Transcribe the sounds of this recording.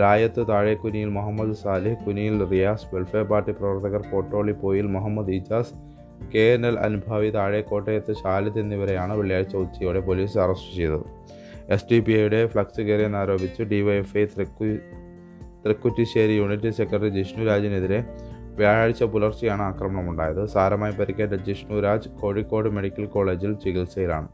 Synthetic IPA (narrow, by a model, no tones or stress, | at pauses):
ɾaːjɐt̪ːɨt̪aːɻekːunijilmɐɦɐmːɐd̪ɨsaːlihkunijilrijaːsʋelfeːpaːrʈiprɐʋɐrt̪ʰːɐɣɐrpo̞ːʈːo̞ːɭipːo̞ːjilmɐɦɐmːɐd̪id͡ʑaːs | keːnɐlɐ̰nubʱɐʋit̪aːɻeko̞ːʈːejɐt̪ːɨɕaːlɐt̪ːenːiʋɐɾejaːɳɨʋeɭijaːɻit͡ɕːɐut͡ɕːɐjoɽe̞po̞liːsɐrɐsʈɨt͡ɕejt̪ṵ | e̞sʈipiɐjuɽe̞fɭɐksɨkeːɾjɐnːaːɾo̞ːbit͡ɕːuɖiʋɐjefɐj | t̪rikːutːiɕeːɾijuɳitːise̞kːɐɖɐɾid͡ʑiʂnuːɾaːd͡ʑine̞ðiɾe | ʋijaːjaːɽit͡ɕːɐpulɐrt͡ɕijaːɳɨaːkrɐmɐɳɐmuɳɖa̰ːjɐðɨsaːɾɐmaːjipɐɾikːeʈːɐd͡ʑiʂnuːɾaːd͡ʑɨko̞ːɻikːo̞ːɖɨme̞ɽikʲːɐlko̞ːɭe̞ːd͡ʑilt͡ɕiɣilsɐjila̰ːɳɨ